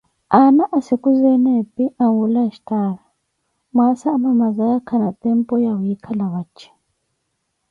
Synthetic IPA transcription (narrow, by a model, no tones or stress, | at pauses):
anaʔasikuzɛnɛpʼiʔaŋɡulaʃtala | masaːmamazajakʰanat̪ʼɛmpʼɔjawjikʰalawat͡ʃʰːɛ̥